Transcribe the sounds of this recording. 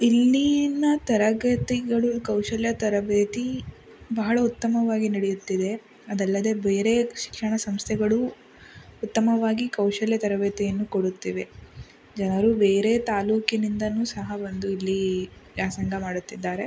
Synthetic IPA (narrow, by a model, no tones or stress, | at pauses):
ilːinɐt̪ɐɾɐɡɐt̪iɡɐɭukɐwʂɐljɐt̪ɐɾɐbeːt̪i | bɐɦɐɭɐut̪ːɐmɐʋaːɡinɐɽejut̪ːid̪e̞ | ɐd̪ɐlːɐd̪e̞be̞ːɾe̞ʃi̥kʂɐɳɐsɐmst̪ʰɛɡɐɭu | ut̪ːɐmɐʋaːɡikɐwʂɐljɐt̪ɐɾɐbeːt̪ijɐnːukoɽut̪ːiʋe̞ | d͡ʒɐnɐɾubeːɾe̞t̪aːluːkinind̪ɐnuːsɐɦɐbond̪uilːid͡ʒaːsɐŋɡɐmaːɽut̪ːid̪ːaːɾe̞